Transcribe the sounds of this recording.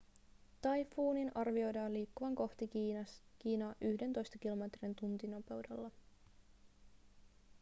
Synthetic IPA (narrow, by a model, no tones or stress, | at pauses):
t̪ɑjfuːninʔɑrʋio̞jdɑːnliːkːuʋɑŋko̞ht̪ik̟iːnɑːʔyhde̞nt̪o̞jst̪ɑkilo̞me̞t̪rint̪unt̪ino̞pe̞wde̞̰lːɑ